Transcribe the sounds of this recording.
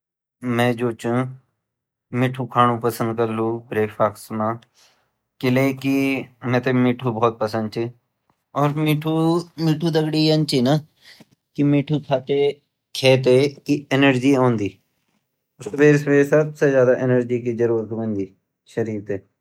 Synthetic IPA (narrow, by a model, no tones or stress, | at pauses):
mɛ̃ːd͡ʒoːt͡ʃ | mɪʈʰːuːkʰaːnũːpəsənd̪̚kəɾlũːbɾeːpʰaːksmãː | kɪleːkɪmɛ̃ːt̪eːmɪːʈʰuːbɔːt̪̚pəsə̃nd̪̚t͡ʃi | ɔːɾmiːʈʰuːmiːʈʰuːd̪əɡɽiːənt͡ʃiːna | kɪmiːʈʰuːkʰaːt̪eː | kʰeːt̪̬eːkiɪnəɾd͡ʒiːõːnd̪iː | səbeːɾsəbeːɾsəbseːzjaːd̪aːʔɪnəɾd͡ʒiːkiːd͡ʒəɾuːɾət̪ʋ̃ːnd̪iː | ʃəɾiːɾt̪eː